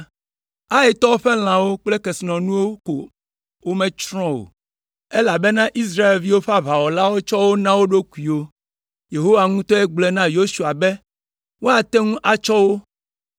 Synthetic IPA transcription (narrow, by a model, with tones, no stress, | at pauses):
a˦e˨t̪ɔ˦wo˦ɸɛ˦l̃ã˨wo˦k͡ple˦kɛ˨snɔ̃˨nũ˦wo˦ko˨ | wo˦mɛ̃˨t͡ʃɾɔ̃˦wo̰˨ | e˦la˨be˦nã˦ʔi˦s̬ɾa˦e˨lvi˦wo˦ɸa˦βa˨wɔ˨la˦wo˦t͡ʃɔ˦wo˦nã˦wo˦ɖo˦ku˨i˨wo˦ | je˨ɦo˦wa˨ŋũ˦t̪ɔ˦ɛ˦ɡ͡blɛ˦nã˦jo˦su˨a˨bɛ˦ | wo˦a˨t̪ɛ˦ŋũ˦ʔa˦t͡ʃɔ˦wo˦